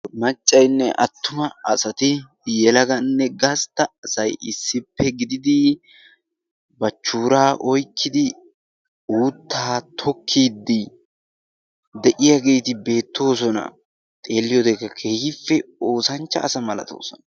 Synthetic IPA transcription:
mɐt͡ʃʼːɐjnːɛʔɐt̪ːʊmɐɐsɐt̪ɪ | jɛlɐɡɐnːɛɡɐst̪ːɐːsɐjɪsːɪpːɛɡɪd̪ɪd̪ɪ | bɐt͡ʃːuːɾaːʔɔjkʰːɪd̪ɪ | uːt̪ːaːt̪ʰɔkʰːiːd̪ːɪ | d̪ɛʔɪjɐɡe̞ːt̪ɪbe̞ːt̪ːo̞ːsɔnɐ̰ | t̪ʼe̞ːlːɪjɔd̪ekːɐkʰe̞ːhɪfːɛo̞ːsɐnt͡ʃːɐːsɐmɐlɐ̰t̪o̰ːsɔnɐ

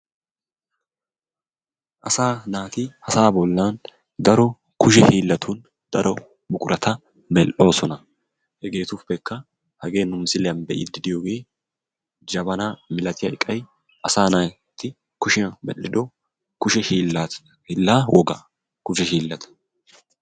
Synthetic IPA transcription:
ʔɐsaːnaːt̪ɪhɐsaːbɔlːaːn | d̪ɐɾɔ | kʊʃ̬ɛhiːlːɐt̪ʰuːn | d̪̥ɐɾɔ | bʊkʼʊɾʔɐt̪ʰɐ | mɛlʔo̞ːsɔnɐ | hɛɡe̞ːt̪ʊfːɛkːɐ | hɐɡe̞ːnʊmsɪlɛjɐnbɛʔɪ̰d̪ɪd̪ɪjoːɡe̞ː | d͡ʒɐbɐnaːmɪlɐt̪ɪjɐɪkʼːɐj | ʔɐsaːnaː | t̪ːɪ | kʊʃɪɐmɛ̰lːɪd̪ɔ | kʊʃɛhiːla | iːlːaːwʔɔɡɐ | kʊʃɛɦiːlːɐt̪ʰɐ̥

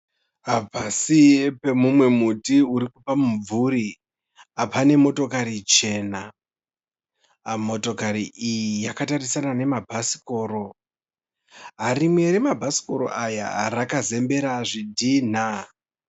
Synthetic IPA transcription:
ɦabʱasiepe̞mumwe̞mutiuɾikupamuɱvuɾi | apane̞mo̞to̞kaɾit͡ʃe̞ːna | mo̞to̞kaɾiʔijijakatarisanane̞mabʱasi̥ko̞ːɾo̞ | ɦaɾimwe̞ɾemabʱasi̥ko̞ɾo̞̰ʔaja̰rakaze̞mbe̞ɾaʐidʱin̤a

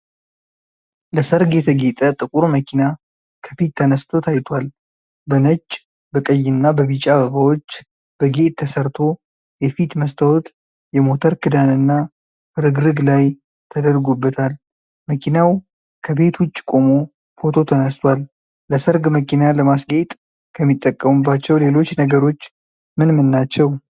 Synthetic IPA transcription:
ləsəɾɡɛt̪ʰəɡet̪ʼət̪ʼɨkʼuɾməkʰina | kʰəfit̪ʰːənəst̪ʰo̞t̪ʰajt̪ʰwal | bənət͡ʃʼː | bəkʼəjːɨnːabəβit͡ʃʼaβəɡawo̞t͡ʃː | b̥əɡe̞t̪ʰːəsəɾt̪ʰo̞ | jɛfit̪məst̪ʰəwot̪ | jɛmo̞t̪ʰəɾkʰɨd̪anɨnːa | ɾɨɡɾɨɡlaj | t̪ʰəd̪əɾɡobːət̪ʰal | məkʰinaw | kʰəbe̞t̪wʊt͡ʃʼːkʼo̞mo | fo̞t̪ʰo̞t̪ʰənəst̪ʰwalː | əsəɾɡməkʰinaləmasɡet̪ʼ | kʰəmːit̪ʼːəkʼːəmubːat͡ʃːɛwle̞lo̞t͡ʃːnəɡəɾo̞t͡ʃː | mɨnmɨnːat͡ʃːɛw

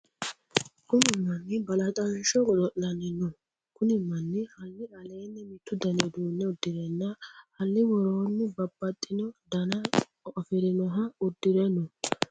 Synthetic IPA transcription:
kʊnɪmːɐnːɪbɐlɐt̪ʼɐnʃɔɡɔd̪ɔʔːɐnɪnɔ | kʊnɪmːɐnːɪhɐlːɪɐle̞ːnːɪmɪt̪ːʊd̪ɐned̪uːnːɛʊd̪ːɪɾɛnːɐhɐlːɪwɔɾoːnːɪbɐbːɐt̪ʼːɪnɔd̪ɐnɐ | ɔfɪɾɪnɔɦɐʊd̪ːɪɾɛnɔ

